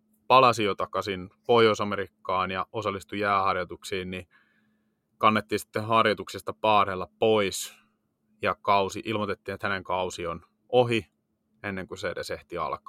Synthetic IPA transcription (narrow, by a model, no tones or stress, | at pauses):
pɑlɑsijot̪ɑkɑsinpoiousɑmeɾikːɑːnjɑosɑlːist̪ujæːhɑrjɑt̪uksiːnni | kɑnːet̪ːiːnsi̥t̪ːehɑrjɑt̪uksist̪ɑpɑːrelːɑpois | jɑkɑusiʔilmot̪et̪ːiːnet̪hæneŋkɑusion | oɦi | enːeŋkuseːdḛːseht̪iɑ̰lkɑ̥